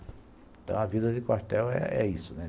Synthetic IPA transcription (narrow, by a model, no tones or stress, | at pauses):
ẽt̪ɐ̰̃w̃ɐvid̪ɐd̪ɪkwaɾt̪ɛwɛ̰ɛ̰isʊnɛ